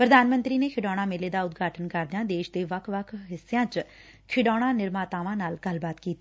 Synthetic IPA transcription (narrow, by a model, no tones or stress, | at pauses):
pɾəd̪aːnmə̃nt̪ɾiːneːkʰɪɖɔːɽ̃ãːmeːleːd̪aːʊd̪ɡʱaːʈʰənkəɾd̪jãːd̪eːʃd̪eːʋəkʰʋəkʰɦɪsːejãːt͡ʃ | kʰɪɖaːɽ̃ãːnɪɾmaːt̪aːʋãːnaːlɡəlbaːt̪kiːt̪i